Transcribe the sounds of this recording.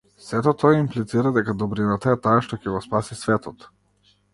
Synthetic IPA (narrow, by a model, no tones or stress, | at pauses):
sɛt̪ɔt̪ɔjaimplit̪siɾad̪ɛkad̪ɔbɾinat̪aɛt̪aːʃt̪ɔcɛɡɔspasisvɛt̪ɔt̪